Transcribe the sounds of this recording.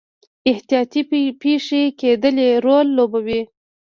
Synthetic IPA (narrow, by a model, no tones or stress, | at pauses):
ɪht̪ijɑt̪ipeʂeked̪əleɾolːobawi